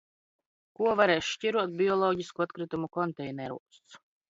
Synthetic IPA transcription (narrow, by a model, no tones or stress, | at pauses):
kuɔvaɾɛːʃʃciɾuɔt̪̚bʲiɔlˠɔːɟiskuat̪kɾit̪umukɔnt̪ɛjnɛɾṵɔst̪s